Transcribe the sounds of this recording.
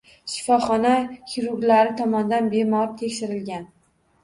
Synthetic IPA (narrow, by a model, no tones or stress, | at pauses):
ʃɪ̥fɒχɒnahiɾʊɾɡlaɾɪt̪ʰɒmɒnd̪anbe̞mɒɾt̪ʰekʲʃɪɾɪlɡʲan